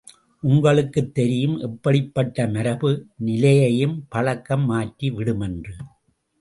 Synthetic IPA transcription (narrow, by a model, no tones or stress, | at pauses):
ʔʊŋɡɐɭɯkːɯt̪ːɛɾɪjɯmʔɛpːɐɽɪpːɐʈːɐmɐɾɐbɯnɪlɐjɐjɯmpɐɭɐkːɐmːaːʈːiʋɪɽɯmɛndrɯ